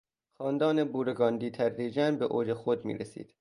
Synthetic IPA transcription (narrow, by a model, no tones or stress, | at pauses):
xɒːnd̪ɒːnebuːɾeɡɒːnd̪iːt̪ʰæɾːiːd͡ʒænbeʔoːd͡ʒexod̪mḭːɾesḭːd̪̥